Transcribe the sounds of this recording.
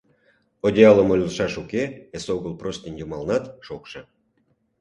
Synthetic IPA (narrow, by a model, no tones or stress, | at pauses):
odʲeɑləmolʲləʃɑʃukeesoɣəlˠprost̪ʲinʲjumɑlnɑt̪ʃokʃĕ